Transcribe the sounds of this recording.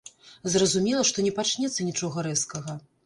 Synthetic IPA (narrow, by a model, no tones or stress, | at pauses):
zrɐzumʲɛlˠɐʂt̪ɔnʲɛpat͡ʂnʲɛt̪sːɐnʲit͡ʂɔɣɐɾɛskɐɣɐ